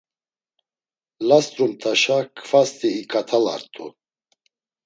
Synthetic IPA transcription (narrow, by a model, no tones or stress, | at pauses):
last̪ʼɾumt̪ʰʼaʃakʰʼfast̪ʼiːkʼat̪ʰala̰ɾt̪ʼu